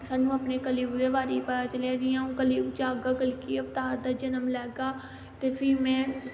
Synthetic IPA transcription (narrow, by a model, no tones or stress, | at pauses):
saːnũːəpneːkəliːbd̪eːʋaːɾiːpəat͡ʃəleːd̪ɪjãːũːkəliːbd͡ʒaːɡaːkəlkiːəʋt̪aːɾd̪aːd͡ʒənəmlɛːɡaː | t̪eːpʰɪɾmɛ̃ː